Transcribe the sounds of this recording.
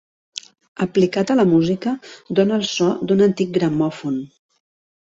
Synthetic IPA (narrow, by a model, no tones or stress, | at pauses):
əplikat̪ələmuzikəd̪onəːlˠsɔd̪unənt̪ik̚ɡɾəmɔfun